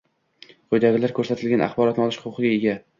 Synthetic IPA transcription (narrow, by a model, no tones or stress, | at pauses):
qʰojd̪aɡʲɪlaɾkʰɵɾsat̪ʰɪlɡʲanʔa̰χbɒɾɒt̪nɨɒlˠɪʃχʊʊqɨɡʲaeɡʲa